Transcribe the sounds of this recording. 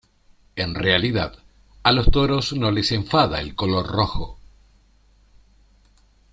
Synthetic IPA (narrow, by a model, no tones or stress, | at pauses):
e̞nrealiðað | alo̞st̪o̞ɾo̞sno̞le̞se̞ɱfaðaḛlko̞lo̞ɾroxo